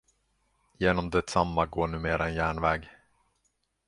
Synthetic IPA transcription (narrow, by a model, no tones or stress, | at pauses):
jeːnɔmd̪ɛt̪samːaɡoːɳʉ̟ːmeːɾaɛnjæːɳvɛːɡ